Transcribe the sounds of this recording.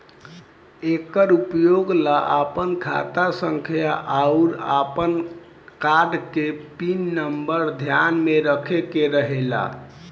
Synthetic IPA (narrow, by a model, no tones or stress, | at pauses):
ekəɾupjoɡlaʔapənkʰa̰t̪asəŋkʰjaʔauɾapən | kaɖkepinːəmbəɾd̪ʱjanmeɾəkʰekeɾəɦela̰